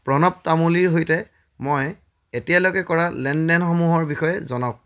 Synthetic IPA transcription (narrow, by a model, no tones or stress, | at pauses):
pɹɔnɔp̚tamuliɹɦojtɛ | mɔj | etijalokɛkɔɹalɛndɛnxomuɦɔɹbixɔjɛzɔnaʊk̚